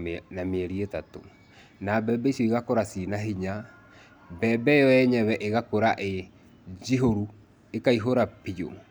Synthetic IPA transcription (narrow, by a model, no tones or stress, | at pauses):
nameɛɾietato̰ | nabɛːbɛisjɔiɣakoɾasinaɦiɲa | bɛbɛjɔɛɲɛβɛʔeɣakoɾaʔe | d͡ʒiɦoɾu | ekaiɦoɾapijo̰